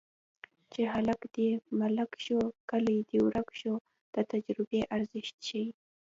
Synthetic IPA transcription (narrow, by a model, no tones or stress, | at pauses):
t͡ʃeɦalakd̪̥emalakʃokalijd̪ewɾakʃo | d̪̥ət̪ad͡ʒɾɪbeʔaɾzɪʃt̪ʃawi